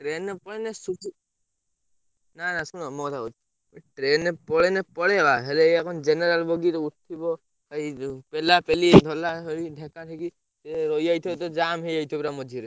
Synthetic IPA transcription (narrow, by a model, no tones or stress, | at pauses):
ʈɾenːepɔɭenesuʈi | nanasunɔmɔt̪ʰaut̪ | ʈɾenːepɔɽenepɔɽebaɦeleakɔnd͡ʒeneɾalbɔɡiɾɔut̪̚ʰːibɔ | aipelapelid̪ʱɔlaɦeliɖʱɛ̃kaʈʰiki | seɾɔiajt̪ʰɔt̪ɔd͡ʒamɦeajt̪ʰɔbiɾamɔd͡ʒʱiɾe